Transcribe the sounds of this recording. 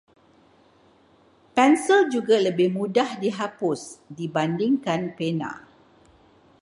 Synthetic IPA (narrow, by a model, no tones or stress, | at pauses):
pɛnsəld͡ʒuɡaləbɪhmũdahdiɦapʊsdibandɪŋkanpenã̰